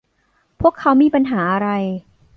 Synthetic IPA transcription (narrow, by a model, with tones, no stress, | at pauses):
pʰu˥˩əkʰːa˦˥wmiː˧pa˧nɦaː˩˦ʔa˧ɾa˧j